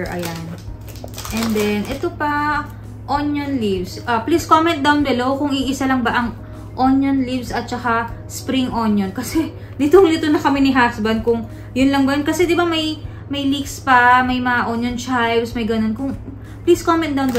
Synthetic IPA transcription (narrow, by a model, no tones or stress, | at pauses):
ʔɐ̰jan | ʔɛnd̪ɛnʔɛt̪opɐ | ʔonjonlivsʔɐpliskomɛnt̪̚d̪awnd̪ɐlowkʊŋiʔɪsalɐŋbɐʔɐŋ | ʔo̞njonlivsɐt̪̚t͡ʃɐkaspɾiŋʔo̞njonkɐsɛ | lɪt̪oŋlɪt̪onɐkɐmɛnɪɦaksbɐnd̪̚kʊŋ | jʊnlɐŋbɐjonkɐsɛd̪ɪbamɐj | mɐjlikspɐmɐjmɐŋaʔonjont͡ʃajbsmɐjɡɐno̞nkʊŋ | pliskomɛ̃nt̪d̪ɐwnd̪ɐ